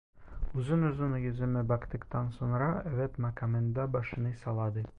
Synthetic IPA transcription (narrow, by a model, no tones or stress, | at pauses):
ʉzɘnɵ̆zɤnjɵ̆zɘ̆mɘbɒkt̪ɪkt̪ɑnsuɴɾɑævæt̪mɐkamend̪ɑbɒʃɤ̆nɤjsɒlˠɑd̪ɤ